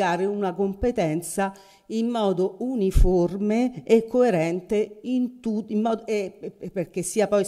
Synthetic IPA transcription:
aːɾeunakompet̪ɛnt̪sa | imːɔːd̪ouniformeːkːoeɾɛnt̪eint̪uimːɔːd̪eperk̟esːiːapɔj

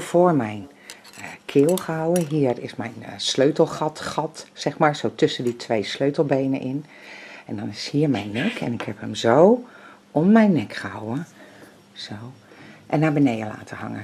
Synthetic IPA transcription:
foːɹmɛjn | kʰɪːlˠxəawəɦiːrɪsmɛjnsløːtəlˠxɑtxɑtsɛxmaːɹsowtɵsəditʰʋejsløɥtəl̩ˠbejnə̰ʔɪn | ɛndɔnɪshiːəɹmɛjnːɛkʰɛ̰nɪkhɛphəmzow | ɔnmɛjnːɛkxəha̰wə | z̥ow | ʔɛnːaːbənejdəla̰ːtʰəhɑ̰ŋə̰

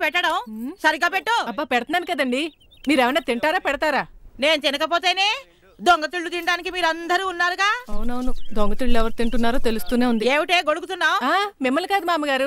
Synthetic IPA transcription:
pɛʈːɐɽɐwsɐɾiɡaːpɛʈːuɐbaːpɛɽɐt̪ɐnaːnikɐd̪ɐɳɖi | miːɾɛʋɐnaːt̪iɳʈaːɾaːpɛɽɐt̪aːɾaːne̞ːnut̪inɐkɐpoːt̪eːjneː | d̪oŋɡɐt̪iɭːut̪iɳɐɖaːnikimiːɾɐnd̪ɐɾiːunːaːɾuɡaːɐwunɐwunud̪oŋɡɐt̪iɭːuɛʋɐɾut̪iɳʈunːaːɾoːt̪e̞lust̪uːne̞ːund̪ieːʋiʈeːɡo̞ɽuk̬ut̪unːaːwaːmimːɐlkaːd̪umaːmɐɡaːɾu

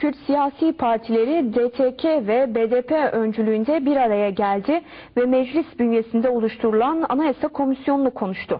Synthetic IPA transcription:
cʰyɾt̪sijaːsiːpʰaɾt̪ʰilʲe̞ɾid̪et̪ʰecʰevɛbed̪eːpʰeønd͡ʒylʲyːnd̪ɛbiɾaɾajaɟælʲd̪ɪ | vɛmɛd͡ʒlʲisbynje̞sind̪ɛolˠuʃt̪ʰuɾulˠana̰najasakʰo̞misjo̞nunukʰo̞nuʃt̪ʰʊ

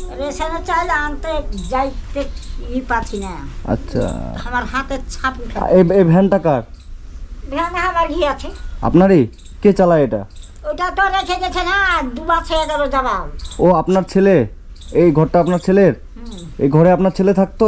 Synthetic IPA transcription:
ɾesenet͡ɕajlant̪ed͡ʑajt̪ːeipat͡ɕʰinaə̰tːɕʰa̰amaɾɦat̪et͡ɕʰãpuʈʰa̰eebʱɛnʈakaɾ | bʱɛnɦabaɾɡʱiat͡ɕʰia̰pnaɾi | ket͡ɕalaeeʈa̰ | oʈat̪oɾekʰeɡet͡ɕʰenad̪ubat͡ɕʰeeʈaɾod͡ʑababoapnaɾt͡ɕʰele | ejɡʱɔɾːaapnaɾt͡ɕʰeleɾ | ejɡʱɔɾeapnaɾt͡ɕʰelet̪ʰak̚t̪o

